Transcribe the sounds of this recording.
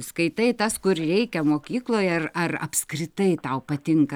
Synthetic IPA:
skɐɪt̪ɐɪt̪ɐskʊrrʲɛɪkʲɛmoːkʲiːklˠoːjɐrɐrɐ̰pskɾʲɪt̪ɐɪt̪ɐʊpɐt̪ʲɪŋkɐ

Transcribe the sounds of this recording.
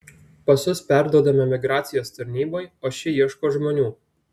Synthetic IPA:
pɐsʊspʲæˑɾd̪uɔd̪ɐmʲɛmʲɪɡɾɑːt̪sʲɪjoːst̪ɐɾʲnʲiːboɪoːʃʲɪjiɛʃkoːʒmoːnʲuː

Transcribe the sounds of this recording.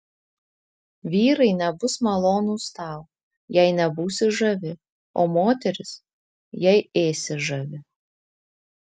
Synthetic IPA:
ʋʲiːɾɐɪnʲɛbʊsmɐlˠoːnuːst̪ɑˑʊ | jɛɪnʲɛbuːsʲɪʒɐʋʲɪ | o̰ːmoːt̪ʲɛɾʲɪs | jɛɪeːsʲɪʒɐʋʲɪ

